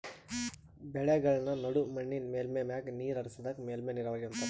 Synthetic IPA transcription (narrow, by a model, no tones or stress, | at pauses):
bɛɭeɡɐɭɐnɐnɐɽumɐɳːinmeːlmeːmjaːkniːɾɐɾisid̪ɐkmeːlmeːniɾɐʋɐːɡiɐnt̪ɐ